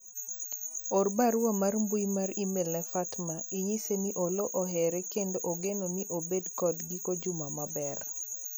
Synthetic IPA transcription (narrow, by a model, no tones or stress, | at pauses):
orbaɾwamarmbujmarimelnɛfatmaiɲiseniʔoloʔɔɦɛɾɛkendoʔoɡenoniʔobedkɔdɡikod͡ʒʊmamabɛr